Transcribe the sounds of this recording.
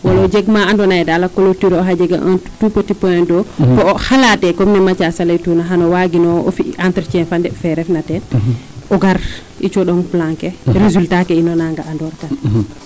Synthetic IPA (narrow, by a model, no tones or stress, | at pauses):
walɔd͡ʒɛɡmaandɔnaɛdalakɔlotiɾɔɦad͡ʒɛɡa̰ʔantupotipɔjɛndɔkɔɔhalatɛkɔmnɛmat͡ʃasalajtunaɦanɔwaɡinɔo̰fiʔantɾt͡ʃɛnfandɛfɛɾɛfnatɛ | ʔɔɡaɾ | ʔit͡ʃɔɗɔnplaŋkɛɾezultakɛinɔnaŋɡaʔandɔɾka